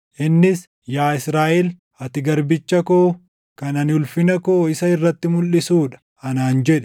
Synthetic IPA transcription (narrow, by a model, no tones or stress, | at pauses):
ʔɪnːɪs | jaːɪsɾaːʔɛl | ɐt̪ɪɡɐɾbɪt͡ʃːɐkoː | kɐnɐnɪʊlfɪnɐkoːɪsɐɪrːɐt̪ːɪmʊlːɪsuːᶑɐ̥ | ɐnaːnd͡ʒɛᶑɛ